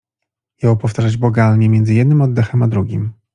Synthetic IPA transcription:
jawpɔft̪aʒad͡ʑbɔɡalɲɛmʲjɛnzɘjɛd̪nɘmɔd̪ːɛxɛmad̪ɾuɡʲim

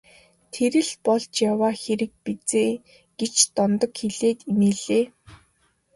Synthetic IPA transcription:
t̪ʰeɾɘ̆ɮpɔɮt͡ɕjawaːxeɾɘ̆k̚pit͡seː | ɡ̥et͡ɕt̪ɔnt̪ɞ̆kxeɮeːt̪imeːɮeː

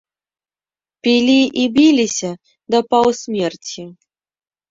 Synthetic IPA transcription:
pʲilʲiʔibʲilʲisʲɐ | d̪ɐpɐwsʲmʲert͡sʲi

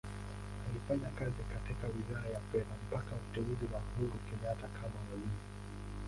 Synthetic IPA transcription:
alifaɲakazikatikawiðaajafɛðam̩pakautɛuziwahuɾukɛɲatakʰamawalii

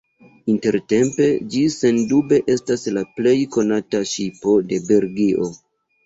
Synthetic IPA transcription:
inte̞ɾte̞mpe̞d͡ʒise̞ndube̞ʔe̞staslaple̞jko̞nataʃipo̞de̞be̞ɾɡiʔo̞

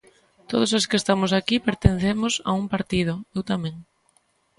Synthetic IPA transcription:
t̪oð̞os̬oskest̪amʊsakipeɾt̪enθemʊsa̰umpaɾt̪ið̞ʊewt̪amẽŋ

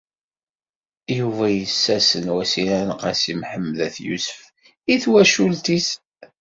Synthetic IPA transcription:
juvæjəsːæsənwæsiɾænəqæsimħəmːðæθjṵsə̥f | iθwæʃult̪is

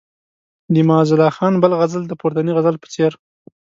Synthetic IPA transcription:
d̪imɑzɪlɑxɑnbəlɣazəld̪əpoɾt̪aniɣazəlpə̥t͡seɾ

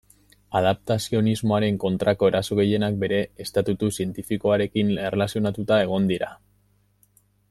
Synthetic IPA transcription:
að̞ap̚t̪asio̞nizmo̞aɾe̞ŋko̞nt̪ɾako̞e̞ɾaso̞ɣe̞je̞nak̚be̞ɾe̞ːst̪at̪ut̪usie̞nt̪ifiko̞aɾe̞kine̞relasio̞nat̪ut̪ae̞ɣ̞o̞nd̪iɾa

